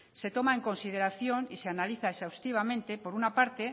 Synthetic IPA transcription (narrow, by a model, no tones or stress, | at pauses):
se̞t̪o̞mae̞ŋko̞nsið̞e̞ɾaθjo̞niseanaliθaesawst̪iβ̞amẽ̞nt̪e̞po̞ɾunapaɾt̪e̞